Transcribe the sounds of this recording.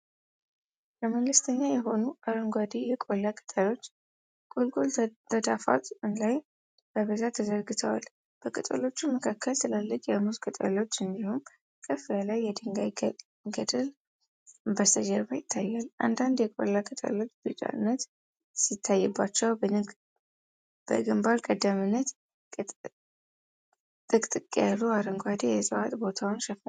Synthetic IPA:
ləməŋɡɨst̪ʰəɲːajɛɦo̞nuʔaɾoŋɡwad̪ijɛkʼolːakʼə̥t̪ʼəlo̞t͡ʃː | kʼolkʼo̞lʰəd̪afa̰t̪ʼɨnlaj | b̥əβəzat̪ʰːəzəɾɡɨt̪ʰəwa̰l | b̥əkʼət̪ʼə̰lo̞t͡ʃːumːəkʰakːəlsɨlalːəkʼjamuzkʼət̪ʼə̰lo̞t͡ʃːɨnd̪ihum | kʼəfialajːɛd̪ɨŋɡaj | ɡəd̪ɨl | bəst̪əd͡ʒɛɾbajɪt̪ʰːajːalʔa̰nd̪and̪jɛkʼo̰lːakʼət̪ʼə̰lo̞t͡ʃːb̥ɨt͡ʃʼa̰ɨnːət̪ | sit̪ʰːajːɛbːat͡ʃːɛw | b̥ə̰ɡɨmbaɾkʼəd̪əmɨnːət̪ | t̪ʼɨkʼt̪ʼɨkʼjaluaɾəŋɡʷad̪ejɛsʼɨwa̰t̪ʼbo̞t̪ʰawnʃɛf

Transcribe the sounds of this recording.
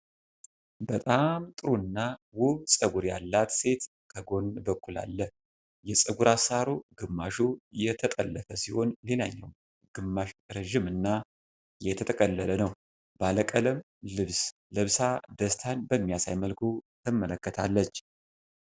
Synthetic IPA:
bət̪ʼamt̪ʼɨɾuɨnːawʊhsʼəɡuɾja̰lːat̪se̞t̪ | kʰəɡo̞nbəkʰːula̰lːə | jɛsʼɨɡuɾasaɾoɡɨmːaʃujɛt̪ʰət̪ʼəlːəfəsiho̞nle̞laɲːɛ̰w | ɡ̥ɨmːaʃɾɛʒɪmɨnːa | jɛt̪ʰət̪ʰəkʼəlːələnəw | baləkʼələm | lɨβs | lɨβsad̪əst̪ʰanbəmːijasajməlkʰut̪ʰɨmːələkːət̪ʰalːət͡ʃː

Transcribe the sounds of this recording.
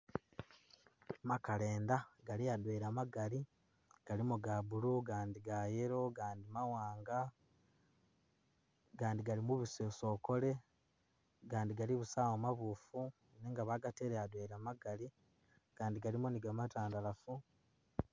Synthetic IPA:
makale̞ːndaɡaliadweːɾamaɡali | ɡ̥alimoɡaβuluɡaːndiɡajeɾo̞ɡaːndimawaːŋɡa | ɡaːndiɡalimuβisoso̞ko̞le̞ | ɡaːndiɡaliβusaːwomaβuːfu | neːŋɡaβaɡate̞ɾead̪weːɾamaɡali | ɡ̥aːndiɡalimoniɡamataːndalafu

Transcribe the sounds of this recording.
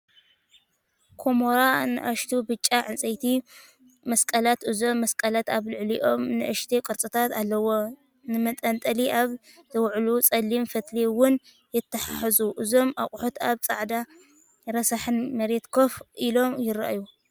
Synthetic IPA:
kʰomoɾanɨ̰ʔaʃt̪ʰubɨt͡ʃʼːaʕɨnt͡sʼɐjt̪ʰi | mɐskʼɐlat̪ʔɨzo̞mːɐskʼɐlat̪aβlɨʕliʔo̞mnɨ̰ʔɨʃt̪ʰekʼɨɾt͡sʼɨt̪ʰat̪alːɐwo̞ | nɨmɐt̪ʼɐnt̪ʼɐliʔaβ | zʰɨwʕlut͡sʼɐlːimfɐt̪liwʊn | jɛt̪ʰːɐħaħɨzuʔɨzo̞mʔaχʼħot̪aβt͡sʼa̰ʕd̪a | ɾɐsaħɨnmɐɾet̪kʰo̞fʔilo̞mjɪɾa̰ʔju

